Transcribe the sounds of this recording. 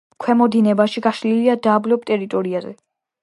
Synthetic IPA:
kʰwɛmɔd̪inɛbaʃiɡaʃliliad̪aːblɔp̚t̪ʼɛɾit̪ʼɔɾiazɛ̰

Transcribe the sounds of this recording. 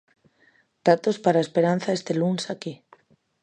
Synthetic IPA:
d̪̥at̪ospaɾaespeɾan̟θaest̪elunsaki

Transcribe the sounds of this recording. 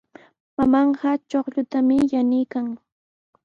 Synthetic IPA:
mamɑɴɢɑt͡ʃoχʎʊt̪amɪjanɪjkaŋ

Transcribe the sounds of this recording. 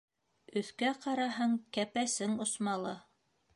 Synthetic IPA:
ɵ̆θkæqɑɾɑɦɤɴkæpæsɘŋŏsmɑlˠɤ

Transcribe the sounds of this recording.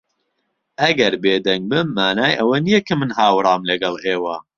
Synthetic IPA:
ʔɐɡɐɾbeːd̪ɐŋɡ̚bɨmːaːnaːjʔɐwɐnijɐkʰɐmɨnhaːwɾˤɑːmlɐɡɐlˠeːwɐ

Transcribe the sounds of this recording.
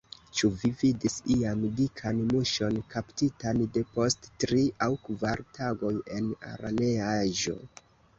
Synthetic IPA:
t͡ʃuvividisiamdikʰanmuʃo̞nkaptitande̞po̞sttɾiʔawkvaɾtʰaɡo̞je̞na̰ɾa̰neaaʒo̞̰

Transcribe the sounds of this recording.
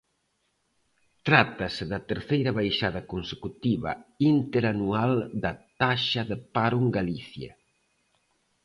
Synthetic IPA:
t̪ɾat̪ɐseðɐt̪əɾθejɾɐβajʃaðɐkonsekut̪iβɐ̰int̪eɾanuald̪ɐt̪aʃɐðəpaɾuŋɡaliθja̰

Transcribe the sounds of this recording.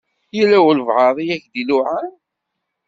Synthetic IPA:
jəlːæwəlvʕɑðˤijæçd̪ilʊʕan

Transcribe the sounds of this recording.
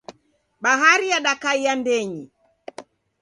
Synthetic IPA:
ɓaɦaɾijaɗakaijandɛɲi

